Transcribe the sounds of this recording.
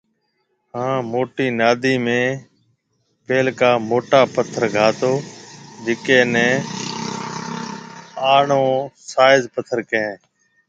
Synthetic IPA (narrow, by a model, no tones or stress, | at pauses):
ɦãːmoːʈiːnaːd̪iːmẽː | peːlkaːmoːʈaːpət̪ʰːəɾɡʱaːt̪oːd͡ʒɪkeːnɛ̃ː | aːɳõːsaːɪzpət̪ʰːəɾkəẽː